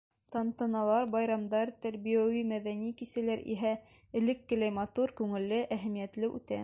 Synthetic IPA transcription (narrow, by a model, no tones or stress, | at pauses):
t̪ɑnt̪ɤ̆nɑlˠɑɾbɑjɾɑmd̪ɑɾt̪æɾbijæwimæðænikisælæɾḭɦæ | ɘ̆lɘ̆kːɘ̆læjmɑt̪uɾkʉŋɘ̆lːɘʔæɦæmijæt̪lɘʉ̰t̪æ̰